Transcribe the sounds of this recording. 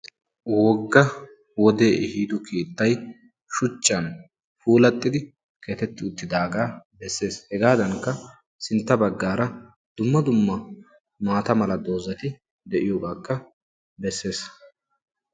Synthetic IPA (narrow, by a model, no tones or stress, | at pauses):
wɔɡːɐ | wɔd̪e̞ːʔɪhiːd̪ʊkiːt̪ːɐj | ʃʊt͡ʃːɐn | fuːlɐt̪ʼːɪd̪ɪ | kʰeːt̪ɛt̪ːɪʊt̪ːɪd̪aːɡaːbɛsːe̞ːshɛɡaːd̪ɐŋkːɐ | sɪnt̪ːɐbɐɡːaːɾɐ | d̪̥ʊmːɐd̪ʊmːɐ | maːt̪ɐmɐlɐd̪o̞ːzɐt̪ɪ | d̪ɛʔɪjoːɡaːkːɐ | bɛsːe̞ːs